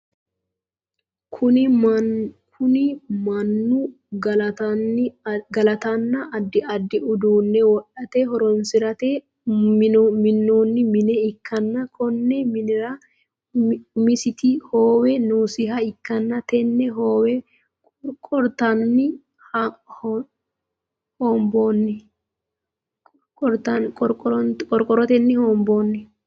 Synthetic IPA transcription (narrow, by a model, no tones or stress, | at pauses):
kʰʊ | kʰʊnɪmɐnːu | ɡɐlɐt̪ɐnːɐʔɐd̪ːɪɐd̪ːɪʊd̪uːnːɛwɔɗɐt̪eɦɔɾɔnsɪɾɐt̪eː | mɪnːo̞ːnːɪmɪnɛɪkʰːɐnːɐkʰɔnːɛmɐ | mɪsɪt̪ɪhoːwɛnuːsɪɦɐɪkːɐnːɐt̪ɛnːɛɦoːwɛ | kʼ | ɾkʼɔɾt̪ɐnːɪ | hh | hoːmboːnːɛ | kʼɔɾt̪ɐkʼɔɾkʼɔɾɔkʼɔɾkʼɔɾɔt̪ɛnːɪhoːmboːnːɛ